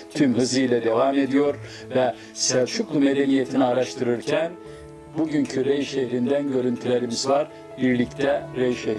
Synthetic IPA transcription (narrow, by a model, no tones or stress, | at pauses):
t̪ʰymɦɯzˠɯjlʲɛd̪e̞vaːme̞d̪ijo̞ɾ | vɛ | sɛvt͡ʃʰuklˠume̞d̪e̞nije̞t̪ʰiniaɾaʃt̪ʰɯɾɯɾcʰæn | buɟyɲcʰyɾejʃeçɾind̪ænɟø̞ɾynt̪ʰylʲe̞ɾimizvaɾ | biɾlʲict̪ʰɛɾejʃe